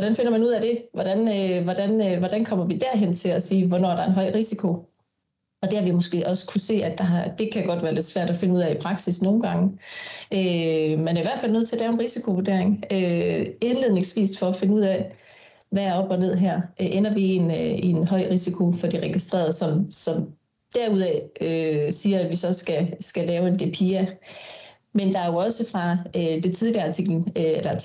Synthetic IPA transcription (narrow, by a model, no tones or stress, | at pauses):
ʋɒɾænfe̝nɐmænuð̰ˠæd̥e̝ʋɒd̥ænøʋɒd̥ænʋɒd̥ænkʰɒ̽m̰ɐʋid̥æɐɦen̰t͡sʰe̝læsiːʋɒnɒ̰ːɐɾ̥ɑ̈enɦɒɪ̰ʁisikʰo̝ | ɒ̽d̥e̝hɑ̈ʋimosɡ̥e̝̰ːʔɒ̽skʰuse̝̰ːæ̥ɑ̈ɦɑd̥e̝kʰæɡ̥ɒ̽d̥ʋæːɐle̝d̥sʋæɐ̰d̥ɒfe̝nəuðˠæipʰʁɑ̈ɡ̥sisno̝ːn̩ɡ̥ɑ̈ŋə | ømenæɐiʋæɐ̥fæl̰nøð̰ˠʰe̝æɐ̥d̥ɛːʊenʁisikʰo̝ʋud̥e̝ɐeŋøe̝nle̝ðˠne̝ŋsʋḭːsd̥fɒ̽æfe̝nəuð̰ˠæ | ʋææɐɒ̽b̥ɒ̽ne̝ð̞̰ˠɦæɐ̰ʔʔenɐʋienenɦɒ̽ɪ̰ʁisikʰo̝fɒ̽d̥iʁɛɡ̥isd̥ʁḛːɐðˠsɒ̽msɒ̽m | d̥æɐuðˠɛøsiːɐædʋisɒ̽sɡ̥æsɡ̥ælɛːʊe̝nd̥e̝pʰiæ | mend̥ɑ̈æɐjo̝ɒ̽səfʁɑ̈ød̥e̝t͡sʰiðˠliɑ̈t͡sʰiɡ̥ln̩øelɐ